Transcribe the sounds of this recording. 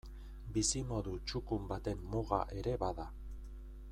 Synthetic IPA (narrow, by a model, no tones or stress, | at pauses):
bisimo̞ðut͡ʃukumbat̪e̞mːuɣa̰ʔe̞ɾe̞βaða